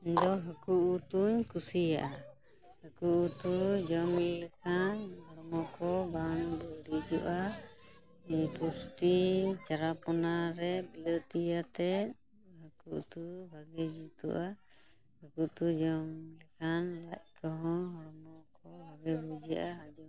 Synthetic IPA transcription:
iɲd̪ɔɦəkuʔut̪uɲkusija̰ʔa | həkuʔut̪ud͡ʒɔŋlɛkʰanɦɔɾmɔkɔbanbɔɾid͡ʒuʔa | ipust̪it͡ʃaɾapɔnaɾɛbilət̪ijat̪ɛt̪̚ | ɦəkuʔt̪ubʱaɡɛd͡ʒut̪ṵʔa | həkuʔt̪ud͡ʒɔŋlɛkʰanɾac̚kɔɦɔ̃ɦɔɽmɔkɔbʱaɡɛbud͡ʒia̰ʔaɦad͡ʒɔ

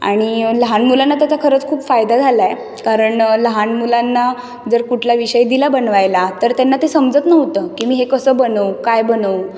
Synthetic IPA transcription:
a̰ɽ̃iləɦanmulanːat̪jat͡ɕakʰəɾət͡skʰuːpfajd̪ad͡zʱalae | kaɾəɳləɦanmulanːa | d͡zəɾkuʈʰlaʋiɕəjd̪ilabənʋajlat̪əɾt̪janːat̪esəmd͡zət̪nəʋt̪əːkimiːɦekəsəːbənəwkajbənəw

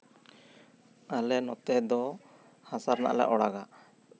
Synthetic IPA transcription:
alɛnɔt̪ɛhɛd̪ɔ | hasaɾna̰ʔla̰ʔɔɽaɡa

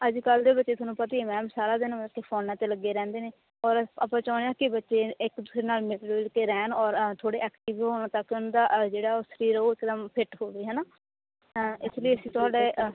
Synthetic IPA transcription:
əd͡ʒkəld̪eːbətːʃeːt̪ʊːnũːpət̪iːemɛ̃ːmsaːɾaːd̪ɪnːkepʰoːnãːt̪eːləɡːeːɾɛ̃ːnd̪eːneː | ɔːɾaːpãːt͡ʃɔːñeaːkɪbətːʃeːɪkd̪uːsɾeːnaːlmɪʈɾːlkeːɾɛːnɔːɾt̪ʰoːɽeːɛːkʈɪʋɦoːñãːt̪əkːʊnːd̪aːd͡ʒeːɽaːʊsɾiːɾooːɪkd̪əmpʰɪʈɦoːʋeːɦɛːnaː | ɪsləiːəsĩːt̪ʊaːɖeː

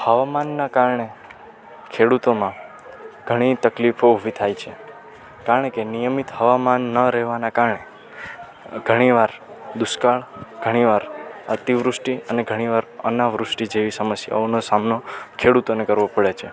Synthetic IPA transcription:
həʋamanːakaɾɳe | kʰeɽut̪omã | ɡ̥ʱəɽ̃it̪əklifoubʱit̪ʰajt͡ʃʰe | kaɾəɳkenijəmit̪həʋamanːəɾɛɦʋanakaɾɳe | ɡʱəɽ̃iʋaɾd̪ʊskaɭɡ̥ʱəɽ̃iʋaɾət̪iʋɾʊsʈiəneɡʱəɽ̃iʋaɾə̰naʋɾʊsʈid͡ʒeʋisəməsja̰onosamnokʰeɽut̪onekəɾʋopəɭet͡ʃʰe

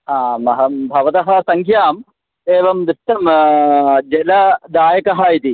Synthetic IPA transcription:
aːmɐɦɐmbʱɐʋɐt̪ɐɦɐsɐŋkʰjaːm | eːʋɐmd̪ɾɪʂʈːɐm | d͡ʒɛlɐd̪aːjɐkɐɦaːjit̪i

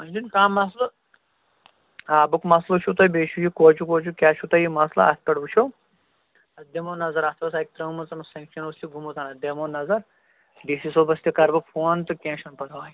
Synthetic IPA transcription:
ɐnʲd͡ʒinkaːmɐslɐ | aːbukmɐslɐt͡ʃʰut̪ɐjbeːʃujikoːt͡ʃukoːt͡ʃukʲaːʃʰut̪ɐjimɐslɐ̰a̰t̪̚pɐɽbut͡ʃʰo | ɐsd̪emoːnɐzɐɾat̪ʰʋɐsaːik̚t̪ɾɐmɐnt͡sɐnɐsɐ̃ŋkʃɐnust̪iɡʱumut̪ʰaːnɐd̪emoːnːɐzɐɾ | ɖisisobɐst̪ʲikɐɾbɐpʰoːnt̪ɨkʲẽːʃɐnpɐɾɐʋaːj

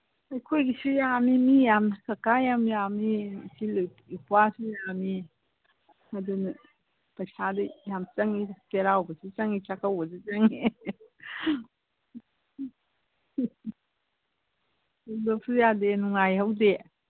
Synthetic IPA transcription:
ɐjkʰojɡisijamimijamsɐkajamjamisil | ipwasujami | ɐdunɐ | pɐjsadɯjamt͡ʃɐŋiteɾawbɐsit͡ʃɐŋit͡ʃakʰawɔzit͡ʃɐŋi | lop̚sujadenuŋajhɐwde

